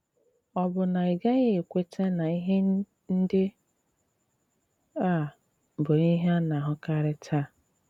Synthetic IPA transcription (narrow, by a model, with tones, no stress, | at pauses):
ɔ˨bʊ˨na˨i˨ɡa˦ɣe˦e˨kʷe˦te˦na˨i˦ɦe˦ | n̩˦dɪ˦ | a˦˨ | bʊ˨i˦ɦa˦na˨ɦʊ˦ka˦ɾɪ˦tʰa˦˨